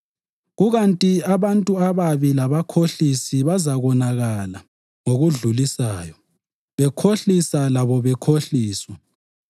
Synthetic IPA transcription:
ɣuɣantʼiaβantʼuaβaβilaβakʰoɬisiβazaɣɔnaɣala | ŋoɣuɮulisaːjɔ | βɛkʰoɬisalaβɔβɛkʰoɬiːswa

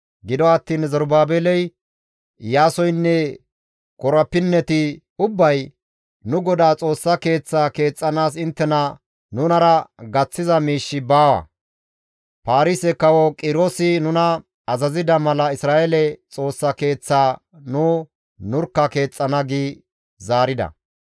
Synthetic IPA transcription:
ɡɪd̪ɔɐt̪ːiːnzɔɾbaːbeːlɛj | jaːsɔjnːɛ | kɔɾɐpːɪnːɛt̪ɪ | ʊbːɐj | nʊɡɔd̪aːt͡sʼo̞ːsːɐke̞ːt͡sːaːke̞ːt͡sʼːɐnaːs̬ɪnt̪ːɛnɐ | nʊnɐɾɐɡɐt͡sːɪzɐmiːʃːɪbaːwɐ̰ | paːɾɪsɛkɐwɔkʼɪɾosɪnʊnɐ | ɐzɐzɪd̪ɐmɐlɐɪsɾaːʔɛlɛt͡sʼo̞ːsːɐke̞ːt͡sːaː | nʊ | nʊɾkːɐke̞ːt͡sʼːɐnɐɡiː | zaːɾɪd̪ɐ̰

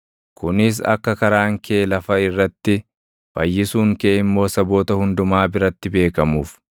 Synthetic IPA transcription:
kʊnɪs̬ɐ̰kːɐkɐɾaːŋkʰeːlɐfɐɪrːɐt̪ːɪ | b̥ɐjːɪsuːŋkeːɪmːo̞ːsɐbo̞ːt̪ɐhʊnd̪ʊmaːbɪɾɐt̪ːɪbe̞ːkɐmuːf

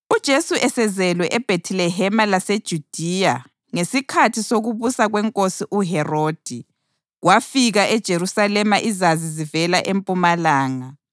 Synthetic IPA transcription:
ud̥ʒ̥ʱesuʔɛsɛzɛlwɛʔɛb̥ʱetʰilɛɦɛmalased̥ʒ̥ʱud̥ʱija | ŋesikʰatʰisoɣuβusaɣwɛŋkʼosiʔuɦɛroːd̥ʱi | ɣwafiɣaʔɛd̥ʒ̥ʱeɾusalɛmaʔizazizivɛlaʔempʼumalaːŋa

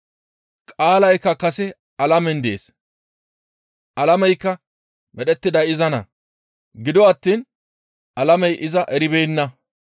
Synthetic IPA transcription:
kʼaːlɐjkːɐkɐsɛ | ɐlɐmɛnd̪ḛːs | ʔɐlɐmɛjkːɐ | mɛɗɛt̪ːɪd̪ɐjɪzɐnɐ̰ | ɡɪd̪ɔɐt̪ːiːn | ʔɐlɐmɛjʔɪzɐʔɛɾɪbeːnːɐ

